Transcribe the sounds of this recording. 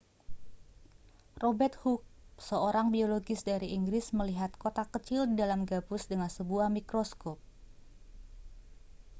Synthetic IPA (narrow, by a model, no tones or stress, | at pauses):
robɛrt̪huk̚səoɾaŋbioloɡɪsdaɾiiŋɡɾɪsməliɦat̪̚kot̪akət͡ʃɪldidalamɡabʊsdəŋansəbuahmikɾoskɔp̚